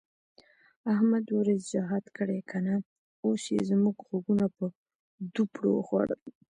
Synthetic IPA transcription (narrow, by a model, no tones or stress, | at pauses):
ahmad̪ʊɾezd͡ʒaɦɑd̪kəɽekʰana | osjḛzmuɡxoɡunapə | d̪upɽo̰xwa̰ɽə̰l